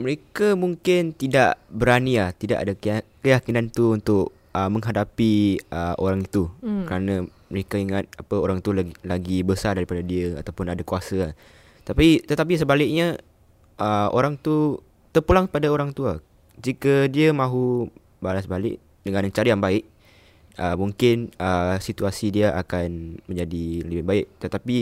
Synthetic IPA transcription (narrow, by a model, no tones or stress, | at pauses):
məɾekamuŋkɪnt̪idaʔbəɾaniaht̪ida̰ʔa̰dakəjakinant̪uunt̪ʊʔ | əmə̃ŋɦadapiəʔo̰ɾaŋit̪ukəɾanãməɾekaiŋat̪̚apəoɾaŋt̪uallaɡibəsardaɾipadadiəa̰t̪awpʊnadakuasəah | t̪apit̪ət̪ap̬isəbalɪʔ̚ɲa | ʔəʔo̰ɾaŋt̪u | t̪ərpulaŋpadaoɾaŋt̪ua | d͡ʒikədiəmãɦu | balasbalɪ̰ʔ | dəŋãnt͡ʃaɾijaŋbaɪʔ | əmuŋkɪnəsit̪uasidiaʔakanmə̃ɲd͡ʒadiaəbbaɪʔ̚t̪ət̪api